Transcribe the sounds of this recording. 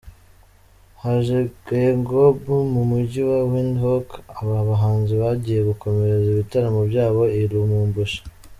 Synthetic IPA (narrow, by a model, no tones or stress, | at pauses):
haʒeɡeŋɡobumumuɟiwawinɦokaβaβaɦaːnziβaɟiːje̞βuko̞me̞ɾeziβitaɾamobɟaːβo̞iɾumuːmbuʃḁ